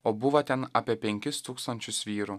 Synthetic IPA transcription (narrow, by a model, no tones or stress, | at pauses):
oːbʊʋɐt̪ʲɛnɐpʲiɛpʲɛŋʲkʲɪst̪uːkst̪ɐnʲt͡ʃʲʊsʋʲiːɾu